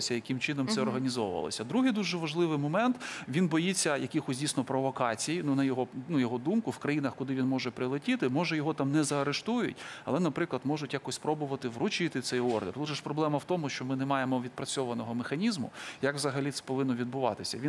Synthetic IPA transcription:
sʲɐjɐkɪmt͡ʃɪnɔmsɛɔrɦɐnʲizɔʋʊʋɐ̰lˠɔ̰sʲɐd̪ɾuɦɪjd̪uʒɛʋɐʒlˠɪʋɪjmɔmɛnt̪ʋʲinbɔjit͡sʲːɐjɐkʲɪxɔsʲdʲijsʲnɔpɾɔʋɔkɑt͡sʲijinunɐjɔɦɔnujɔɦɔd̪umkʊwkɾɐjinɐxkʊd̪ɪʋʲinmɔʒɛpɾɪlˠɪtʲit̪ɪmɔʒɛjɔɦɔt̪ɑmnɛzɐɐɾeʃt̪ujʊ̰tʲɐ̰lˠɛnɐpɾɪklˠɐd̪mɔʒʊtʲjakɔsʲpɾɔbʊʋɐt̪ɪʋrʊt͡ʃɪt̪ɪt̪sɛjɔrd̪erlˠuʒɐʃpɾɔblˠɛmɐwt̪ɔmʊʃt͡ʃɔmɪnɛmɑjemɔʋʲid̪̚pɾɐt͡sʲɔʋɐnɔɦɔmexɐnʲizmʊ̰jɐkʋzɐɦɐlʲit̪ɛ̥pɔʋɪnːɔʋʲid̪bʊʋɑ̰t̪ɪsʲɐ̰ʋi

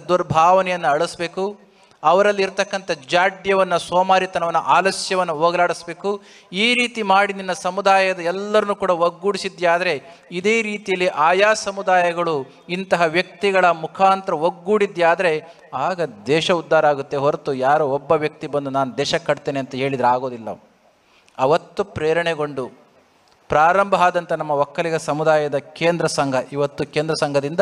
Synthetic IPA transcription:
d̪uɾbʱaːʋɐnɛjɐnːɐɐɭusbe̞ːku | ɐʋɐɾɐlːiːɾt̪ɐkːɐnt̪ʰɐd͡ʒaːɖjɐʋɐnːɐsɔːmaːɾit̪ɐnɐʋɐnːɐʔaːlɐsjɐʋɐnːuɦoːɡɐlaːɽisbe̞ːku | iːɾiːt̪imaːɽid̪inːɐsɐmud̪aːjɐd̪ɐɛlːɐɾɐnːukuːɽɐʋoɡːuːɽisid̪jaːd̪ɐɾe̞ | id̪e̞ːɾiːt̪ijɐlːiʔaːjaːsɐmud̪aːjɐɡɐɭu | int̪ɐɦɐʋjɐk̚t̪iɡɐɭɐmukʰaːnt̪ɾɐʋoɡːuːɽid̪ːjaːd̪ɐɾe̞ | aːɡɐd̪ɛːʃɐud̪ːaːɾɐaːɡut̪ːe̞ɦoɾt̪ujaːɾuɔbːɐʋjɐk̚t̪ibɐnd̪unaːnud̪ɛːʃɐkːɐɽt̪eːneɐnt̪ɐɦe̞ːɭid̪ɾaːɡo̞ːd̪ilːɐ̰ | ɐʋɐt̪ːupɾɛːɾɐɳeɡo̞ɳɖu | pɾaːɾɐmbʱɐaːd̪ɐnt̪ɐnɐmːɐʋɐkːɐliɡɐsɐmud̪aːjɐd̪ɐkeːnd̪ɾɐsɐŋɡʱɐʔiʋɐt̪ːukeːnd̪ɾɐsɐŋɡʱɐd̪ind̪ɐ

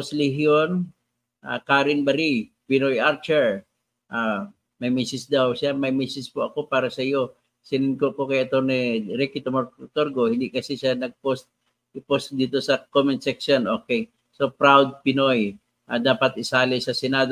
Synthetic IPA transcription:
poslɪhjon | ʔa̰kaːɾɪnbɐɾipɪnojʔaɾt͡ʃɛɹ | ʔa | mɐjmisɪsd̪awsɪamɐjmisɪspʊʔɐko̞paːɾɐsɐjo | sɪnɪnkoʔkokɐjʔɐt̪oniɾikit̪omoɾt̪oɾɡohɪnd̪ɪʔkɐsɪsanɐɡ̚post̪̚ | ʔɪpost̪̚d̪iːt̪osɐkomɪnsɛksonʔokej | sopɾawd̪̚pɪnoj | ʔa̰d̪aːpɐt̪̚ʔɪsaːlɪsɐsɪnad̪

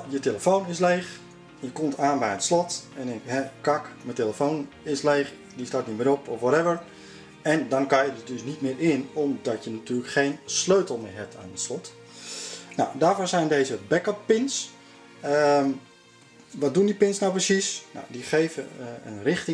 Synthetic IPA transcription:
jəteləfownɪslejχ | jəkɔmtaːnbɛjətslɔtɛnɪkɦɛkɑkməteləfown | ɪsleːx | distaːtnitmɪːɾɔpɔfʋɔɾɛvəɹ | ɛndɔnkajədədøsnitmɪːrɪnɔmdɔtjənatyːləkχeːnsløɥtəlˠmɪːɹɦɛp̚tʰaːnətslɔt | nawdaːɹvoːsɛjndeːzəbɛkəpːɪns | ə | ʋɔdundipɪnsnawprəsisna̰wdiχeːvəə̰nrɪxtɪ

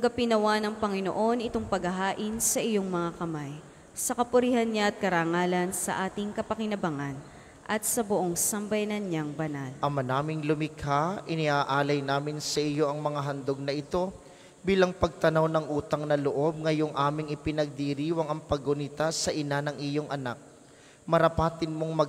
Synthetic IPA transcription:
ɐɡɐpɪnɐwanɐŋpɐŋɪno̞̰ʔo̞nɪt̪o̞ŋpɐɡɐɦaːʔɪnsɐʔɪjo̞ŋmɐŋakɐmaj | sɐkɐpʊɾihɐnɲaɐt̪̚kɐɾaːŋaːlɐnsɐ̰ʔaːt̪ɪŋkɐpɐkɪnɐbɐŋan | ʔɐt̪̚sɐbʊʔo̞ŋsɐmbɐjnɐnɲaŋbɐnalʔɐmɐnaːmɪŋlʊmɪkʰaʔɪnɪhaːʔaːlɐjnaːmɪnsɐʔɪjo̞ʔɐŋmɐŋaɦɐnd̪oɡ̚nɐʔɪt̪o̞ | biːlɐŋpɐɡ̚t̪ɐnawnɐŋʔuːt̪ɐŋnɐloʔo̞b̚ŋɐjo̞ŋʔaːmɪŋɪpɪnɐɡ̚d̪iɾiːwɐŋɐŋpɐɡʊnɪt̪asɐʔɪnanɐŋɪjo̞ŋʔɐnak̚ | mɐɾɐpaːt̪ɪnmo̞ŋmɐ

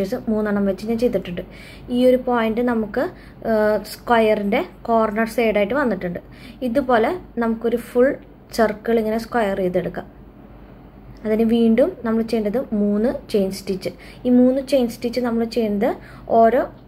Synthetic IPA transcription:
esɨmuːnːɐɳɐmʋet͡ɕːɨɲaːnt͡ɕe̞jt̪iʈːuɳɖɨ | iːo̞ɾupoːjinɖɨnɐmukːɨ | skwɐjɐrinde̞ko̞ːrɳɐrse̞ːjɽaːjiʈːɨʋɐnːiʈːuɳɖɨ | iðupo̞ːle̞nɐmukːo̞ɾufuɭ | sɐrkːɐɭiŋːɐneskwɐjɐreːðeɽukːa | ɐðinɨʋiːɳɖumnɐmːɐɭt͡ɕe̞jːɐnɖɐðɨmuːnːɨt͡ɕe̞jnsʈit͡ɕːɨ | iːmuːnːɨt͡ɕe̞jnsʈit͡ɕːɨnɐmːɐɭt͡ɕe̞jnːɐðɨ | o̞ːɾo̞ː

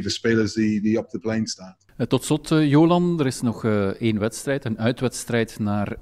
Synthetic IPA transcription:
vəspeːləɹsdidiɔp̚dəplejnstaːn | tɔtslɔtjoːlɑndəɾɪsnɔxeːnʋɛtstrɛjtənœɥtʋɛtstrɛjtnaːr

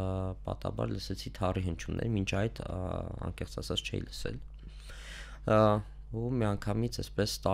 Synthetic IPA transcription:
pɑt̪ɑ̰bɑ̰ɾləsɛt͡sʰit̪ʰɑriɦənt͡ʃʰunʔɛ̰ɾmint͡ʃʰɑjd̪ɑ̰ŋkɛχt͡sɑsʰɑt͡st͡ʃʰɛ̰jḭləsɛ̰l | umiɑŋkʰɑmit͡sʰɛspɛst̪ɑ

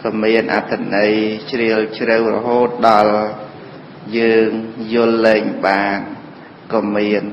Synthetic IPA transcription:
kɔmiənʔa̰t̪ʰːanəjt͡ɕriəlt͡ɕrɨwrɔ̰ɦoːt̪̚ɗɑl | jəːŋjʊ̆əlːɛːŋɓaːn | kɔmiən

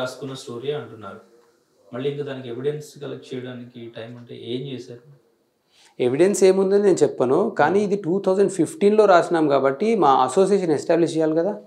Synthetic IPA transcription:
aːsu̥kunːɐsʈoːɾijaɐɳʈunːaːɾu | mɐɭːiiŋk̪ad̪aːnikieʋiɽensɡɐlɐ̰t͡ʃɛjɐɽaːnikiʈɐjmɐɳʈḛːeːmt͡ʃeːsaːɾu | e̞ʋiɽense̞ːmund̪ɐnineːnut͡ʃɛpːɐnukaːniːid̪iʈuːt̪ʰɐwd͡ʒɐɳɖpʰipʈiːnlo̞ːɾaːsuɳaːmukaːbɐʈːimaːʔɐso̞ːs̬ijeːʃ̬ɐnesʈaːbliʃt͡ʃɛjaːlikɐd̪aː

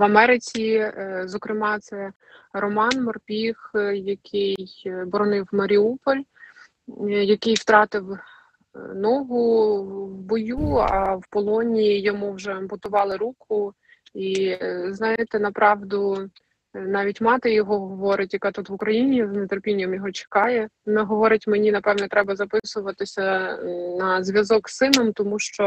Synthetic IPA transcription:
ʋɐmɛɾɪt͡sʲizɔkɾɪmɑt̪sɛ | ɾɔmɑnmɔrpʲixjɐkʰɪjbɔɾɔnɪwmɐɾʲiupɔlʲ | jɐkɪjwt̪ɾɑt̪ɪw | nɔɦʊwbɔjuɑwpɔlˠɔnʲijijɔmuwʒɛɐmbɔt̪ʊʋɑlˠɪɾukʰʊ | iznɑjɪt̪ɪnɐpɾʔɑʋd̪ʊ | nɑʋʲitʲmɑt̪ɪjɔɦɔɦɦɔʋɔɾɪtʲjɐkɑt̪ut̪ʋʊkɾɐjinʲiznet̪erpʲinʲːɐmjɔɦɔt͡ʃe̥kɑjɛnɛɦɔʋɔɾɪtʲmenʲinɐpɛʋnɛt̪ɾɛbɐzɐpɪsʊʋɐt̪ɪsʲɐnɐzʲʋʲjɐzɔksːɪnɔmt̪ɔmuʃt͡ʃɔ

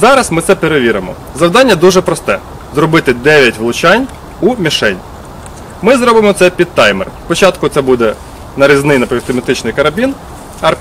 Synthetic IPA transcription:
zɑɾɐsmɪt̪sɛpeɾeʋʲiɾemɔ̰ | zɐwd̪ɑnʲːɐd̪uʒɛpɾɔst̪ɛ | zɾɔbɪt̪ɪd̪ɛʋʲjɐtʲʋlˠʊt͡ʃɑnʲ | umʲiʃɛnʲ | mɪzɾɔbɪmɔt̪sɛpʲid̪̚t̪ɑjmɛ̰rspɔt͡ʃɑt̪kʊt̪sɛbud̪ɛ | nɐɾʲiznɪjnɐpʲist̪ɪmʲɪt̪ɪt͡ʃnɪjkɐɾɐbʲin | ɐr

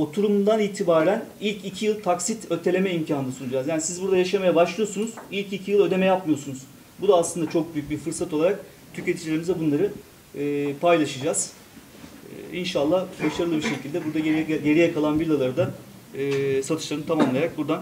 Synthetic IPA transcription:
ot̪ʰuɾumnd̪aniːt̪ʰibaːɾænilʲcicʰijɯlˠt̪ʰaksit̪øt̪ʰe̞lʲe̞mɛimcʰaːnnasunud͡ʒaːzjaːnisizbuɾd̪ajaʃamajabaʃlˠɯjo̞sunuz̥ilʲcicʰijɯlˠø̞d̪e̞mɛjapmɯjo̞sunuz̥ | bud̪aːslˠɯnd̪at͡ʃʰo̞k̚byjyc̚biɾfɯɾsat̪ʰo̞lˠaɾak̚ | t̪ʰyce̞t̪ʰid͡ʒlʲeɾimizɛbunlˠaɾɯː | pʰajlˠaʃɯd͡ʒaz̥ | inʃalˠːahbaʃaɾɯlˠɯbiɾʃe̞cʰilʲd̪ɛbuɾd̪aɟe̞ɾijakʰalˠanbilʲˠalˠaɾɯd̪a | sat̪ʰɯ̥ʃlˠaɾɯnt̪ʰamamlˠajaɾak̚buɾd̪an

